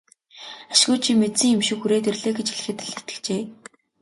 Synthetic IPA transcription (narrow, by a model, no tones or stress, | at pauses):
aʃɪɣʊːt͡ɕʰimet̪t͡sĭŋjemʃĭkuɾeːt̪̬erɮeːɡet͡ɕxeɮ̆xɘ̆t̪eɮĕ̥t̪ɘ̥̆kt͡ɕeː